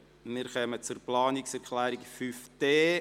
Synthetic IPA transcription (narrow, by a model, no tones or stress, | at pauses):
mɪɾχœmət͡sʊrplɑːniksɛɾkʰlæːɾikfyfd̥eː